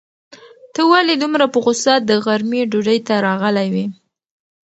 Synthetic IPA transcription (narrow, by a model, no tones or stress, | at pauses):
t̪əwalid̪umɾapəɣʊsusɑt̪̚d̪əɣaɾmiɖuɖəjt̪aɾɑɣəlajwi